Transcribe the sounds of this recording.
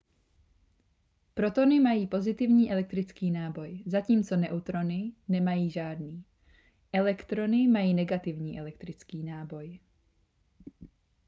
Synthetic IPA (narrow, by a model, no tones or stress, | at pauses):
pɾo̞t̪o̞nɪmajiːpo̞zɪt̪ɪvɲiːʔɛlɛk̚t̪ɾɪt͡skiːnaːbo̞jzaciːmt͡so̞nɛʔut̪ɾo̞nɪnɛmajiːʒaːdniː | ʔɛlɛkt̪ɾo̞nɪmajiːnɛɡat̪ɪvɲiːʔɛlɛkt̪ɾɪt͡skiːnaːbo̞j